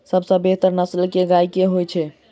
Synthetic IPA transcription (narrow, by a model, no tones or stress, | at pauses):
səbsə̃beɦt̪əɾnəslkeɡajkeɦojt͡ʃʰɛ